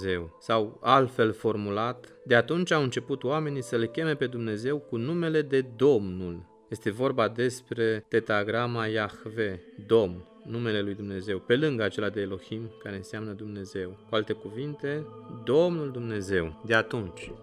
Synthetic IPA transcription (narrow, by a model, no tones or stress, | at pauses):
ze̞wsawalt̪fe̞lfo̞rmulat̪ | d̪e̞at̪unt͡ʃʲaɨnt͡ʃe̞put̪oame̞nisəle̞kʲe̞me̞pe̞d̪umne̞ze̞wkunume̞le̞d̪e̞d̪o̞mnul | je̞st̪e̞vo̞rbad̪e̞spɾe̞t̪e̞t̪aɡɾamajaxved̪o̞mn | nume̞le̞lujd̪umne̞ze̞wpe̞lɨŋɡat͡ʃe̞lad̪e̞ːlo̞ximkaɾe̞nsamnəd̪umne̞ze̞wkualt̪e̞kuvint̪e̞d̪o̞mnuld̪umne̞ze̞wd̪e̞at̪unt͡ʃʲ